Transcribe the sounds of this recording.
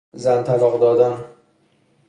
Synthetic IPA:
zænt̪ʰælɒːɣd̪ɒːd̪æn

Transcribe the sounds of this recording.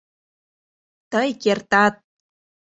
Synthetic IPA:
t̪əjkert̪ɑt̪̚

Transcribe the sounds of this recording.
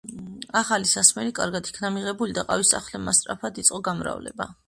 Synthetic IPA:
aχalisasmɛlikʼaɾɡad̪i̥kʰnamiʁɛbulid̪aqʼavisa̰χlɛmast̪ʼɾapʰad̪it̪sʼɔɡamɾa̰vlɛ̰ba̰

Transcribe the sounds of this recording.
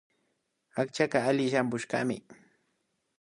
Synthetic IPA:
akt͡ʃakaalɪʃampʊʃka̰mɪ̰

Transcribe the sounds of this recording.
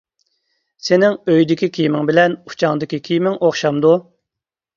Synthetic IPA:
senɪŋøjd̪ɪkʲikʲʰijmɪŋbɪlɛnu̥t͡ʃʰɑŋd̪ɪkʲikʲʰijmɪŋoχʃɑmd̪u

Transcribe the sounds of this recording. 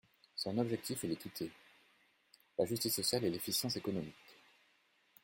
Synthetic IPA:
sɔ̃nɔbʒɛk̚t̪ʰifɛlekʲit̪ʰe | laʒyst̪isːɔsjalɛlefisjɑ̃sekɔnɔmik

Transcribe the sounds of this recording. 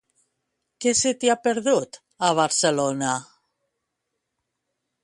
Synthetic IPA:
keset̪iapeɾðut̪ | aβaɾselona

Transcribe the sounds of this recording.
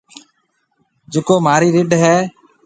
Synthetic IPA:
d͡ʒeːkoːmaːɾiːɾɪɖɦɛː

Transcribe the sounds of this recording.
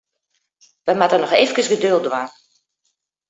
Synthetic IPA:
ʋɛmatənɔxeːvəkəsɡədølˠdʋaː

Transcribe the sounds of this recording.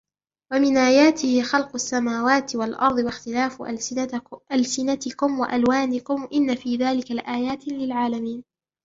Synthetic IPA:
wamɪnʔaːjaːt̪ɪhɪxɑlqʊʔasːamaːwaːt̪ɪwalʔɑɾˤd̪ˤɨwaxt̪ɪlaːf | ʔalsɪnat̪ɪkʊmwa̰ʔalwaːnɪkʊmʔɪnːafiːðaːlɪkalʔaːjaːt̪lɪlʕaːlamiːn

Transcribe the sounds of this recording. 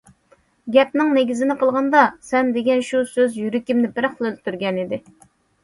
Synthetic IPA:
ɡʲɛp̚nɪŋneɡʲizɪnɪqəlˠʁɑnd̪ɑsɛnd̪eɡʲɛnʃusøzjyɾɪkʲimnɪbɪɾχlˠɨlt̪ʰyɾɡʲɛnid̪ɪ

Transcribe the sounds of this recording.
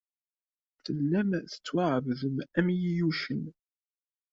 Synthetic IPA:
θəlːæmθə̥t͡sːwaʕəvðəmæmjijuʃən

